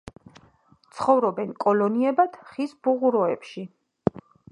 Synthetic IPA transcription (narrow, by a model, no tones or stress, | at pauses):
t̪sʰχɔvɾɔbɛnkʼɔlɔniɛbat̪ʰχisbuʁuɾɔɛ̰pʃi